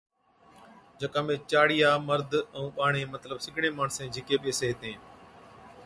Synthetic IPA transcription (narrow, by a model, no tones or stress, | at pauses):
d͡ʒʱəkãːmẽːt͡ʃaːɽɪjaːməɾd̪ʱə̃ũːɓaːɳeːmət̪ləbsɪkɽẽːmaːɳsẽːd͡ʒʱɪkeːɓeːseːɦt̪ẽː